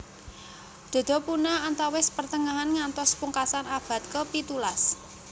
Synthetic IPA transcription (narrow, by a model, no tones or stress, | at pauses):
d̪̥o̤d̪̥o̤punaant̪awɪspərt̪əŋaɦanŋant̪ɔspuŋkasanab̥ä̤t̪̚kəpit̪ulas